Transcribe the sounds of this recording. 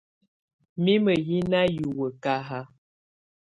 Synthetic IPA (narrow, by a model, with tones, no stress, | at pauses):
mi˦mə˨ji˦na˦ju˨wə˨ka˦ɦa˦